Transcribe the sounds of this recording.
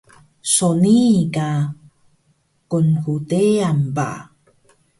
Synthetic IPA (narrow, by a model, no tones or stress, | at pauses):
sonika | kunkuteamba̰